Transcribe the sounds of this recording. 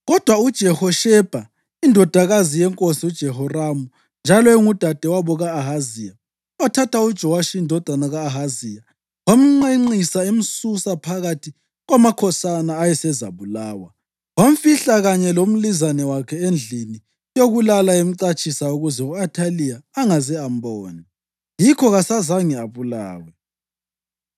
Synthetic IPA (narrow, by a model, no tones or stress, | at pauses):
ɣɔd̥ʱwaud̥ʒ̥ʱɛhɔʃɛb̥ʱa | indʱɔd̥ʱaɣazijɛŋkʼosiud̥ʒ̥ʱɛɦɔramu | nd͡ʒʱalɔɛŋud̥ʱad̥ʱɛwaβɔɣaːɦazija | watʰatʰaud̥ʒ̥ʱɔwaʃiːndʱɔd̥ʱanaɣaːɦazija | wam̩ŋ͡ǃeŋ͡ǀisaem̩susapʰaɣatʰi | ɣwamakʰɔsanaːjɛsɛza̰βulaːwa | wam̩fiɬaɣaɲɛlom̩lizanɛwakʰɛend͡ɮʱini | joɣulalaem̩ǀat͡ʃʼʰisauɣuzɛuatʰalijaːŋazɛam̩bɔːnɛ | jikʰɔɣasazaŋiaβula̰ːwɛ